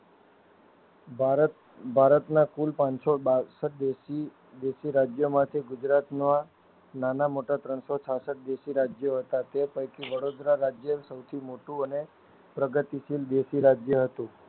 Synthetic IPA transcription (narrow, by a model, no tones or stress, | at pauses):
bʱaɾət̪nakulpãɲsobasəʈ̚d̪esi | d̪esiɾad͡ʒjomãt̪ʰeɡʊd͡ʒɾat̪noa | nanamoʈat̪ɾəɳsot͡ʃʰasəʈ̚d̪esiɾad͡ʒjoɦət̪at̪epəjkiʋəɽod̪ɾaɾad͡ʒjəsəwt̪ʰimoʈũəne | pɾəɡət̪isild̪esiɾad͡ʒjəɦət̪ũ